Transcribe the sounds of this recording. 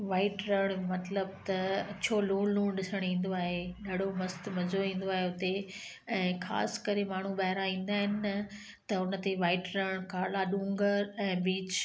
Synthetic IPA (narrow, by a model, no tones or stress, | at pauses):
ʋaːɪʈɾɐɽ̃mɐt̪ləbt̪ɐt͡ɕʰoːluːɽlũːɽ̃ɗɪsəɽ̃ĩːn̆d̪oaːɦeɗɐɽomɐst̪mɐzoĩːn̆d̪oaːɦeʊt̪e | ɛ̃ːxa̰ːskɐɾemaːɳ̤uɓaɦɪɾaĩːn̆d̪aːɦɪnɪ̆ | t̪ɐʊnə̆t̪eʋaːɪʈɾəɽ̃kaːlaɗũːŋɡəɾɛ̃ːbiːt͡ɕ